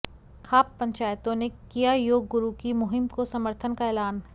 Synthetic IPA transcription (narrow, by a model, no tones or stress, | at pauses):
xaːpːɐ̃ɲt͡ʃaːjt̪õnekijajoːɡːʊɾukimʊɦɪmkosɐməɾt̪ʰənkaeːlaːn